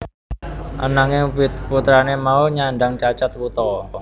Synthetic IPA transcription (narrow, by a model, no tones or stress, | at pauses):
ʔanaŋɪŋput̪ɾanemauɲaɳɖaŋt͡ʃat͡ʃat̪̚wut̪ɔ